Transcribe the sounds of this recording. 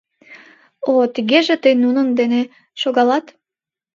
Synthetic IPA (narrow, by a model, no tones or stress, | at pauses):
ot̪iɣeʒet̪əjnunənd̪ene | ʃoɣɑlɑt̪